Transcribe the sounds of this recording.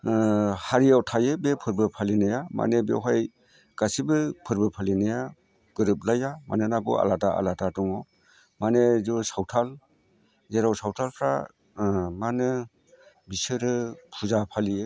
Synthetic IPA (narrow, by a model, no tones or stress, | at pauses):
haɾijawtʰajɯbepʰɯɾbɯpʰalinajama̰nebḛwɦaj | ɡ̥asibɯpʰɯɾbɯpʰalinaja | ɡ̥ɯɾɯp̚lajama̰nɯnaɡɯ̰a̰lataa̰ladadɔŋɔ | manezɔsawtʰal | zeɾawsawtʰalpʰɾa̰ | manɯ | bisɯɾɯpʰuzapʰalijɯ